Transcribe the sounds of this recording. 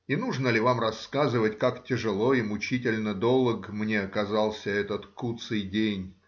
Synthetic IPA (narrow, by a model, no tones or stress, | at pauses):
inuʐnəlʲɪvamrɐskazɨvətʲkaktʲɪʐɨlˠo̞imʊt͡ɕitʲɪlʲnəd̪olˠəɡmnʲeɐkɐzɑlˠsʲəɛt̪ət̪kut̪sɨjdʲenʲ